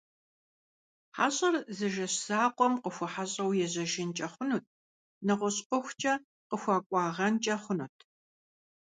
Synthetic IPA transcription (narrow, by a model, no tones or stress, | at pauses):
ħaːɕʼɐrzɨʒɐɕsaːqʷʼɔmqəxʷɔħaɕʼɐwjɛʑɐʒɪnt͡ʃʼɐχʷʊnuːt̚ʰ | nɨʁʷʊɕʼɔxʷt͡ʃʼɐ | qəxʷɑːkʷʼɑːʁɐnt͡ʃʼɐχʷʊnuːtʰ